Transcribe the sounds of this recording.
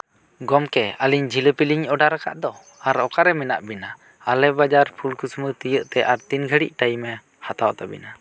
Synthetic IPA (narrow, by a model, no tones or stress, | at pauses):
ɡɔmkɛəliɲd͡ʒiləpiliɲɔɖaɾaka̰ʔd̪ɔ | aɾɔkaɾɛmɛna̰ʔbina | alɛbad͡ʒaɾpʰulkusmət̪əjəʔt̪ɛʔaɾt̪inɡʱəɽḭʔ̚ʈajimɛ | hat̪awt̪abḭna